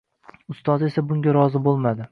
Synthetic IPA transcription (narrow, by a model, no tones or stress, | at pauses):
ʊst̪ɒze̞sabʊŋɡʲaɾɒzɪbolˠmad̪ɪ